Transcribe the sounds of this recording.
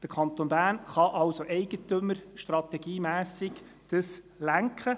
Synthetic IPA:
d̥əkʰɑnt̪onbæːɾnχɑʔɑwsoʔɛɪɡət̪ɵməɾʃtrɑt̪ɛɡ̥iːmæːsɪɡd̥əs | læŋkχə

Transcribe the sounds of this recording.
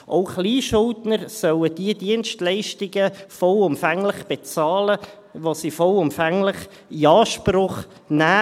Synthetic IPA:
ʔoʊχliːʃʊltnəɾsœwəd̥iəd̥iənstlɛɪʃtɪɡəfɔlʊmfæŋlɪχb̥et͡sɑːlə | ʋosifɔlʊmfæŋlɪχ | iɑːʃprʊχ | næː

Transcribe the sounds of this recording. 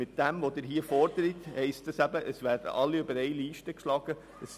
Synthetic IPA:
mɪt̚d̥ɛmʋod̥̪ɪɾɦiəfɔɾd̥əɾithɛɪstəsæbəʔəsʋæːɾd̥ə̰ʔɑlːiøbəɾɛɪliːʃtəkʃlɑɡ̥ə | əs

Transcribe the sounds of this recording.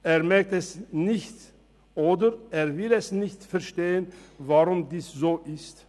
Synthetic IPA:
ʔeːɐmɛɐk̚tɛsnɪçt | ʔoːdəʁʔeːɐvɪlɛsnɪçtfɛɐʃteːənvaʁʊmdiːszoːʔɪst

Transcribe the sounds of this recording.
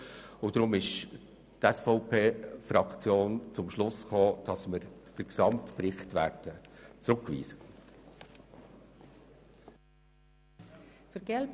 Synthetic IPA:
ʊd̥ɾʊmɪʃ | tɛsfɔʊpʰeːfɾɑkt͡sjoːnt͡sʊmʃlʊskoːd̥ɑsməɾd̥əksɑmtpɾɪχtʋæːɾd̥ət͡sɾʊkːʋḭːsə | fəɾɡ̥ɛlb

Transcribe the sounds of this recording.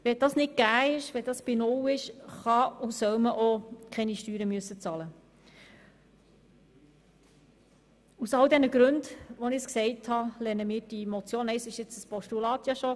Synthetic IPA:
ʋɛd̥ɑsnɪt̚ɡ̥æːɪʃʋɛdɑsb̥inʊwɪʃχɑusœwməʔokʰɛniʃtyːɾəmyəsːət͡sɑlə | usɑldɛnəɡɾʉndʋɔnɪsksɛɪthɑlɛnəmiːɾd̥imɔt͡sjoːnɛɪsɪʃɪt͡səspɔʃtulɑːt̪jɑʃɔ

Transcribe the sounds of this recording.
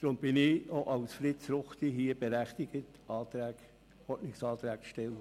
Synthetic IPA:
d̪̥ɾʊmb̥ɪnɪoʔɑlsfɾɪtsɾʊχt̪iɦiəb̥eɾæχt̪ɪɡ̥ət | ɑːt̪ɾæːɡ | ɔtnɪksɑːt̪ɾæːk̚ʃtɛlə

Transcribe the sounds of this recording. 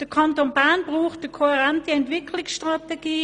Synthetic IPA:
d̥əkʰɑntonbaɐnb̥ʁuːχtəkʰohɛʁɛntəɛntvɪkʰlɪksʃtʁateɡ̥iː

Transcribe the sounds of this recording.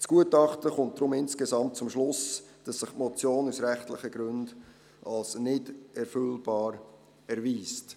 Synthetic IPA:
t͡sɡ̥uətɑχtəχʊnt̚d̥ɾʊmɪnskezɑmt̚t͡sʊmʃlʊs | d̥ɑsːɪχtmɔt͡sjoːnusɾɛχtlɪχəɡɾʏnd | ʔɑlsnɪdɛɾfʏlb̥ɑːɾ | ɛɾviːst

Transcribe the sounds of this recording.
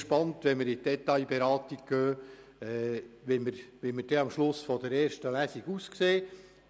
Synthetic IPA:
ʃpɑntʋɛməɾɪdɛt̪ːɑjbɛɾɑːt̪iɡ̚ɡ̥øː | ɛʋiməɾʋiməɾd̥ɛɑmʃlʊsfɔd̪əɾeːɾʃtəlæsiɡ̥uskseː

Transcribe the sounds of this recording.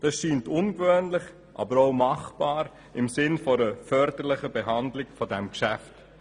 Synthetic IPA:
d̥ɑsʃiːntʊnɡʋøːnlɪχ | ʔɑ̰bəɾoʊmɑχb̥ɑːɾ | ɪmsɪnfɔɾəfœɾdəɾlɪχəbeɦɑndlɪɡfɔdɛmkʃæft

